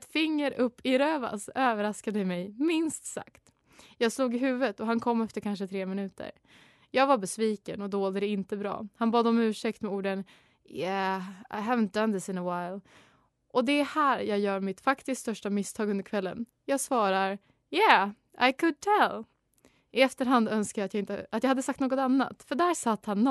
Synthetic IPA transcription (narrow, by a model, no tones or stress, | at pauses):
ɛt̪fɪŋːəɾɵpːɪɾøːva̰søːvəɾaskad̪əmɛjmɪnst̪sa̰kt̪ | jɑːɡsluːɡɪɦʉ̟ːvət̪ɔɦankʰɔmːɛft̪əɾkʰanʂ̬ət̪ʰɾeːmɪnʉ̟ːt̪ʰə̰ɾ | jɑːɡvaɾbɛsviːkə̰nɔd̪oːld̪əd̪ɛɪnt̪əbɾɑ̰ːhanbɑːd̪ɔmʉ̟ːʂɛkt̪mɛuːɖən | jæa̰ɪɦævənt̪̚d̪ãnd̪əsɪ̃nəwaɪl | ʔɔd̪ɛhæːɾjɑːjœːɾmɪt̪fakt̪ɪskst̪œʂʈamɪst̪ʰɑːɡɵnd̪əɾkʰvɛlːə̰n | jɑːɡsvɑːɾaɾ | jæ | a̰ɪkʰɵd̪̚t̪ʰɛl | ʔɪɛft̪əɾɦand̪œnskajat̪jaɪnt̪ə̰at̪jahad̪əsak̚t̪noːɡɔt̪anːa̰t̪fœɖæːɾsat̪ːhanː